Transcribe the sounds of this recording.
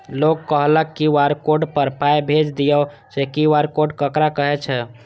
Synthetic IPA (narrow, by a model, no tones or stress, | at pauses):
lokkːəɦləkːiwaɾkoɖpəɾpajbʱed͡ʒd̪ijə | sekiwaɾkoɖkəkɾakəɦɛt͡ʃʰɛ